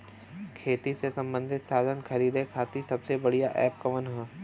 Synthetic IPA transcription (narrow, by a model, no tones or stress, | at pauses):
kʰeːt̪isesɐ̃mbə̃nd̪ʱɪt̪saːd̪ənkʰɐɾiːd̪ekʰaːt̪isɐbsebɐɽijaʔɛːp̚kɐʋənɦɛ̃ː